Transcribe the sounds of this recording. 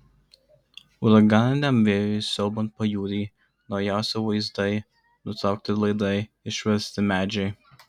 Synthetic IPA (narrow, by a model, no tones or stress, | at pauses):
ʊɾɐɡɑnʲd̪ʲɛmʋʲeːjʊjsʲɔlˠbɔnt̪̚pɐjuːɾʲiː | nɒʊjæˑʊsʲɛʋɐɪzd̪ɐɪ | nʊt̪ɾɐˑʊk̚t̪ʲɪlˠɐɪd̪ɐɪ | ɪʃʲʋʲɛɾʲsʲt̪ʲɪmʲæːd͡ʒʲɛɪ